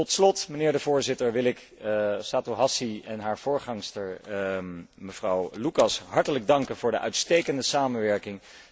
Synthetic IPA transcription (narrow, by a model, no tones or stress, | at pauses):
tɔtslɔtmənɪːɹdəvʊːɹzɪtəɹʋɪlɪk | saːtuɦɑsiɛnɦaːɹv̥ʊːɹχɑŋstəɹ | məvrɑwlukɑsɦɑɹtələɡ̚dɑŋkənvʊːɹdəʔœɥtstejkəndəsaːmənʋɛɹkɪŋ